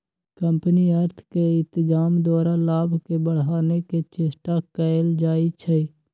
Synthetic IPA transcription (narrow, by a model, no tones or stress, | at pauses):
kəmpniəɾt̪ʰkeɪ̃nt̪d͡ʒaːmd̪ɔːɾalaːbʱkebəɽ̤aːneket͡ʃɪsʈakəɪld͡ʒaːit͡ʃʰɛ